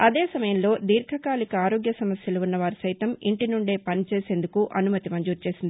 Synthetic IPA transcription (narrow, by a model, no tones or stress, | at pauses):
ɐd̪eːsɐmɐjɐmlo̞ːd̪iːɾkʰɐkaːlikɐaːɾo̞ːɡjɐsɐmɐsjɐluːunːɐʋaːɾusɐjt̪ɐmiɳʈinuɳɖe̞ːpɐnit͡ʃeːse̞ːnd̪ukuʔɐnumɐt̪imɐɲd͡ʒuːɾt͡ʃe̞ːsind̪ii